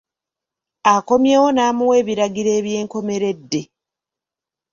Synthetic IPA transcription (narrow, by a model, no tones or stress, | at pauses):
ako̞mje̞ːwo̞naːmuwe̞ːβiɾaɡiɾe̞ːβje̞ːŋko̞me̞ɾe̞dːe̞